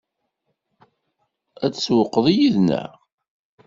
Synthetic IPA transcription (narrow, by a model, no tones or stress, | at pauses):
æt͡sːswəqːəðˤijiðnæ̰